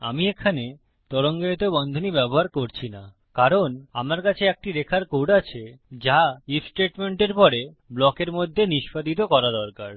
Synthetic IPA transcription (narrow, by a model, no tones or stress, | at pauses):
a̰miekʰane | t̪ɔɾoŋɡeet̪obɔnd̪ʱonibɛboɦaɾkoɾt͡ɕʰina | kaɾonamaɾkat͡ɕʰeek̚ʈiɾekʰaɾkoɖat͡ɕʰed͡ʑaifsʈeʈmeɳʈeɾpɔɾe | blɔkeɾmod̪ʱːeniʃpad̪it̪̬okɔɾad̪ɔɾkaɾ